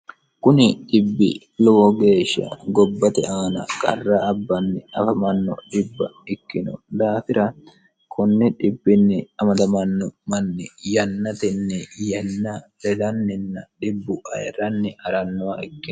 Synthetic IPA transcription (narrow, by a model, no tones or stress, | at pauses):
kʊnɪɗɪbːɪ̰ | lɔwɔɡe̞ːʃːɐ̰ɡɔbːɐt̪ɛʔaːnɐkʼɐrːɐːbːɐnːɪɐfɐmɐnːɔ̰ɗɪbːɐ̰ɪkːɪnɔ̰d̪aːfɪɾɐ | kʰɔnːɛᶑɪbːɪnːɪɐmɐd̪ɐmɐnːɔmɐnːɪjɐnːɐt̪ɛnːɛjɐnːɐɾɛd̪ɐnːɪnːɐɗɪbːʊʔɐ̰jɛɾɐnːɪʔɐɾɐnːɔwɐɪkːɪ